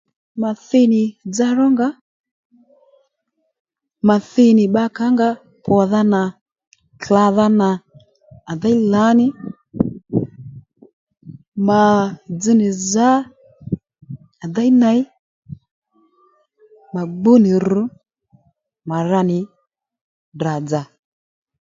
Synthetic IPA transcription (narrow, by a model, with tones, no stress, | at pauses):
ma˨θɪ˦˧nɪ˨d͡za˦rɔ˦ŋɡa˦ | ma˨θɪ˧nɪ˨ɓa˦ka˦ŋɡa˧˦ | pɔ˨ða˦na˨ | t͡ɬa˧ða˦na˨ | a˨ða˦i˦la˨˦nɪ˦ | ma˨d͡zɨ˦nɪ˨za˦ | a˨da˦jna˨˦j | ma˨ɡ͡bu˦nɪ˨ɾu˨˦ | ma˨ɾa˧nɪ˨ | da˨d͡za˨